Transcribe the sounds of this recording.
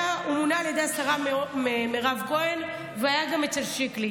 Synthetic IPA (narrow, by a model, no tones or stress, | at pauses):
aumunaaljede̞jastaʁaememeʁavko̞en | veajaɡamet͡selʃikli